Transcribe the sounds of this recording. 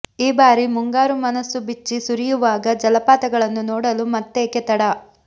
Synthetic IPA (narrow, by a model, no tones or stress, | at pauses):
iːbaːɾimuŋɡaːɾumɐnɐsːubit͡ʃːisuɾijuʋaːɡɐd͡ʒɐlɐpaːt̪ɐɡɐɭɐnːunɔːɽɐlumɐt̪ːeːkɛt̪ɐɽɐ